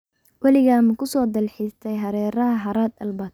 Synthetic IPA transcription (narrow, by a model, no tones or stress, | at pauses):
wɑlɪɣaːmɐkʰʊsɔːd̪ɐlħɪst̪ʰɛjɦɐɾɛːɾɐɦɐɦɐɾaːd̪ɐlbaːd̪̚